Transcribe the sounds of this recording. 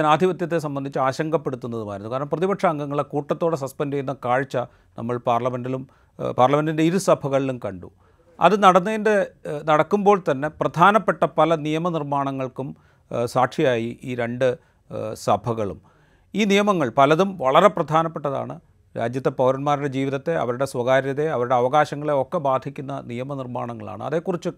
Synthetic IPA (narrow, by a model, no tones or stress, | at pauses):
naːd̪ʱiʋɐt̪jɐt̪̬ːe̞s̬ɐmbɐnd̪ʱit͡ɕːɨaːɕɐŋɡʱɐpːe̞ɽut̪ːunːɐðuma̰ːjɾunːkaːɾɐɳɐmprɐðibɐʈʂɐɐŋɡɐŋːɐɭekuːʈːɐt̪ːo̞ːɽes̬ɐspendejunːɐkaːɻit͡ɕːɐ | nʔɐ̰mːɐɭpaːrɭɐmendilum | paːrlɐmendinde̞iɾusɐbʱɐɣɐɭilumkɐɳɖṵ | ɐ̰ðɨnɐɽɐnːɐðindenɐɽɐkːumbo̞ːɭt̪ɐnːe̞prɐd̪ʱaːnɐpːeʈːɐpɐlɐnijɐmɐnirmaːɳɐŋːɐɭkum | saːʈʂijaːjiʔiːɾe̞ɳɖɨ | sɐbʱɐɣɐɭṵm | iːnijɐmɐŋːɐɭpɐlɐðumʋɐɭɐɾe̞prɐd̪ʱaːnɐpːe̞ʈːɐða̰ːɳɨ̰ | ɾa̰ːd͡ʑjɐt̪ːe̞pɐwɾɐnmaːɾuɽe̞d͡ʑiːʋiðɐt̪ːe̞ɐ̰ʋɐɾuɽe̞swɐɣaːɾjɐðe̞ɐʋɐɾuɽe̞ɐʋɐɣaːɕɐŋːɐɭe̞o̞kːe̞baːd̪ʱikʲːunːɐnijɐmɐnirma̰ːɳɐŋːɐɭa̰ːɳɨ̰ɐ̰ðe̞kːurit͡ɕːɨ